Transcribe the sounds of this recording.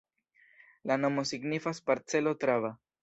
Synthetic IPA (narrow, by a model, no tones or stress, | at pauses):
lano̞mo̞siɡnifaspaɾt͡se̞lo̞tɾava